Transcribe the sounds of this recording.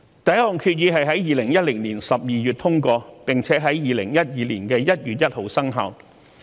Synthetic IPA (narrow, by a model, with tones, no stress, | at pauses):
t̪ɐ˨jɐ˥ʊ˨˩ŋkʰyː˧t̚jiː˨˧ɦɐ˨jɦɐ˨˥jjiː˨lɪ˨˩ŋjɐ˥t̚lɪ˨˩ŋliː˨˩nsɐ˨p̚jiː˨jyː˨˩t̪ʰʊ˥ŋkɔː˧pɪ˨ŋt͡sʰɛː˨˥ɦɐ˨˥jjiː˨˧lɪ˨˩ŋjɐ˥t̚jiː˨liː˨˩nkɛː˧jɐ˥t̚jyː˨t̚jɐ˥t̚ho˨˩wsɐ˥ŋɦa̰ː˨˧w